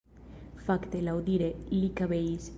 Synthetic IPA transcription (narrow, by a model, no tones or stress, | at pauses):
fakt̪elawðiɾelikaβejs